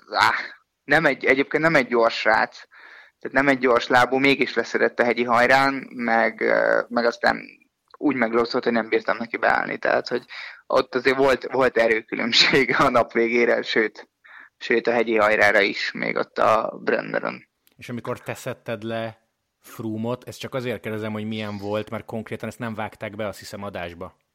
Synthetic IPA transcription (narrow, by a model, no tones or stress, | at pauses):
a | nɛmɛɟɛɟeːpkeːnt̪nɛmɛɟːo̞rʃra̰ːt̪s | t̪ːaːt̪nɛmɛɟ̚ːo̞rʃlaːboːmeːɡiʃlɛsɛɾɛt̪ːɒɦɛɟiɦɒjɾaːnmɛɡmɛɡɒst̪nɛ̰n | uːɟmɛɡloːsolt̪honɛmbiːrt̪ɒmnɛkibɛ̰a̰ːlnʔḭt̪ɛ̰ɦa̰ːt̪ho̞ɟʔo̞̰t̪ːɒzeːɾvo̞lt̪vo̞lt̪ɛɾøːkylʔø̰mʃeːɡɒnɒpʋeːɡeːɾɛʃøːt̪ | ʃøːt̪ɒɦɛɟiɦɒjɾaːɾɒiʃmḛːɡo̞̰t̪ːɒ̰brɛ̰nːɛ̰ɾo̰n | eːʃɒmiko̞rt̪ɛsɛt̪ːɛd̪lɛ | fruːmot̪ʰɛst̪t͡ʃɒkɒzeːrt̪kɛd̪ɛzɛmho̞ɟmijɛɱvo̞lt̪mɛrt̪̚ko̞ŋkreːt̪ɒnɛst̪nɛɱvaːkt̪aːɡbɛɒst̪hisɛmɒd̪aːʒbɒ